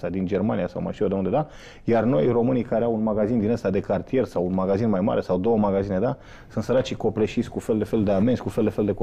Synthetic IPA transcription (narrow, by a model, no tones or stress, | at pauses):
ad̪ind͡ʒe̞rmanijasawma̰ʃiod̪eund̪e̞d̪a | jarno̞jro̞mɨnijkaɾeawunmaɡazind̪inəst̪ad̪e̞kart̪ije̞rsawunmaɡazinmajma̰ɾe̞sawd̪o̞wəmaɡazine̞d̪a | sɨnt̪səɾat͡ʃiko̞pleʃisʲkufe̞ld̪e̞fe̞ld̪eamenskufeld̪e̞fe̞ld̪ek